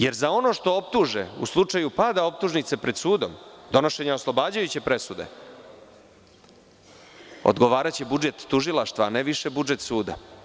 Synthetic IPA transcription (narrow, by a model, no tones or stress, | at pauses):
je̞ɾzao̞no̞ʂt̪o̞op̚t̪uʒeṵslˠut͡ʂajupad̪ao̞p̚t̪uʒnit̪sepɾe̞d̪suːd̪o̞̰md̪o̞no̞ʃe̞ɲaoslˠo̞baːd͡ʑajut͡ɕe̞pɾe̞sud̪e̞̰ | o̰d̪ɡo̞ʋaːɾat͡ɕebud͡ʒe̞t̪ːuʒilˠaʃt̪ʋaːneʋiʃebud͡ʒet̪suːd̪a̰